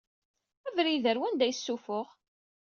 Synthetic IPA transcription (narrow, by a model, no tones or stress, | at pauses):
ævɾiðəɾwænd̪æjsːufʊʁ